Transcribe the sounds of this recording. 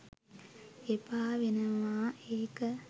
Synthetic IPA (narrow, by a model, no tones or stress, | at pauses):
epaːʋenɐʋaːeːkə